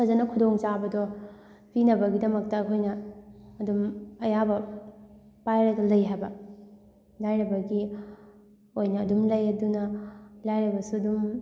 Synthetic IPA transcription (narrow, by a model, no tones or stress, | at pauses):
kʰɐzɐnɐkʰudoŋt͡ʃabɐdɔ | pinɐbɐɡidɐmɐk̚tɐːkʰojnɐːdumɐjabɐ | pajɾɐdɐlɐjɦajbɐ | lajnɐbɐɡi | ojnɐːdumlɐjɐdunɐlajɾɐbɐsuɐdum